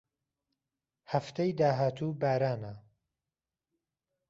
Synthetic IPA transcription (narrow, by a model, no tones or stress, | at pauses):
hɐft̪ʰejd̪aːɦaːt̪ʰuːbaːɾaːna